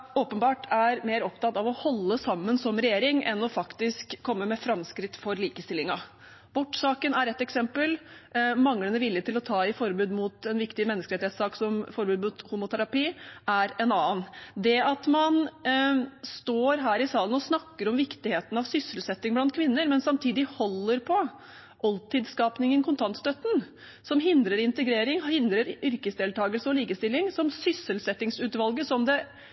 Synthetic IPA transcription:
oːpənbɑːʈæɾmeːɾɔpt̪ʰɑt̪ːɑʋɔhɔlːəsɑmːənsɔmɾɛjeːɾɪŋʔɛnːɔfɑkt̪ɪskʰːɔmːəmɛfɾɑmskɾɪt̪ːfɔɾliːkəst̪ɪlɪŋɑ | b̥ɔʈːsɑːkənæɾɛt̪ːɛksɛmpəlmɑŋːlənəʋɪljət̪ɪlɔt̪ʰɑːɪfɔɾbʉːd̪muːt̪ɛnʋɪkt̪ɪmɛnːəskəɾeːt̪ɪheːt̪sɑːksɔmfɔɾbʉːd̪muːt̪huːmʊt̪ʰæɾɑpiːʔæɾɛnɑːənd̪ɛɑt̪mɑn | st̪oːɾɦæːɾɪsɑːlənɔsnɑkːəɾɔmʋɪkt̪ɪheːt̪ən̩ɑʋsʏsːəlsɛt̪ːɪŋblɑnt̪kʰʋɪnːəɾmɛnsɑmt̪ʰiːd̪ɪhɔlːəɾpʰɔ | ʔɑlt̪ɪd̪skɑːpnɪŋənkʰʊnt̪ʰɑnt̪st̪œt̪ən̩ | sɔmɦɪnd̪ɾəɾɪnt̪əɡɾeːɾɪŋhɪnd̪ɾəɾʏɾkəsd̪eːlt̪ʰɑːɡəlsəɔliːkəst̪ɪlːɪŋsɔmsʏsəlsɛt̪ːɪŋsʉːt̪ʋɑlɡəsɔmd̪ɛ

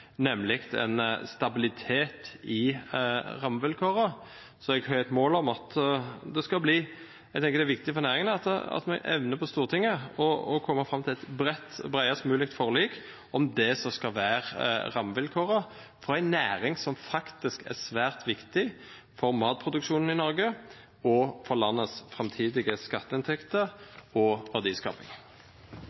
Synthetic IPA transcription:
nɛmlɪkt̪ɛ̰nst̪ɑbɪlɪt̪ʰeːt̪ɪ | ʁɑmʋɪlkʰoːɾɑ | sɔɛɡhɑɾɾɛt̪moːlɔmɑt̪d̪ɛskɑlbliː | æɡt̪ʰɛŋkəd̪ɛʋɪk̚t̪ɪfɔɾnæːɾɪŋənəɑt̪ɑ̰t̪mɛʔɛ̰ʋnəpʰɔst̪uːʁt̪ʰɪŋːəɔɔkʰɔmːɑfɾɑmːt̪ʰɪlɛt̪bɾɛt̪ːbʁæɪɑst̪mʉːlɪk̚t̪fɔʁliːk | ɔmd̪ɛsɔskɑlʋæːʁʁɑmːʋɪlkʰoːʁə | fɔɾæɪnæːɾɪŋsɔmfɑkt̪ɪskæ̰ʁsʋæːʁt̪ʰʋɪkt̪ɪ | fɔɾmɑːt̪̚pʰɾʊd̪ʉkʃuːnn̩ɪnɔɾɡə | ɔfɔʁlɑnːəsfʁɑmt̪ʰiːd̪ɪɡəskɑt̪ːəɪnt̪ʰɛkt̪əɔʋæd̪iːskɑ̰ːpɪ̰ŋ

